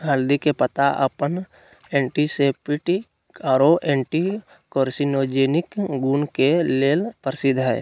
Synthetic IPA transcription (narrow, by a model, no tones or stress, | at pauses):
ɦəld̪ikepət̪aʔə̰pən | ɛ̃ːɳʈiseːpɪʈi | kəɾoʔẽːɳʈi | koːɾsinod͡ʒeːnɪkɡuːnkeleːlpəɾsɪd̪ʱɦɛ̰ː